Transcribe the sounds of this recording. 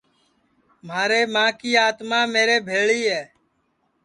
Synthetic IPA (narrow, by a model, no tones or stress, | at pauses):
maːɾeːmãːkiːaːt̪mãːmeːɾeːbʱeːɭiːɦɛː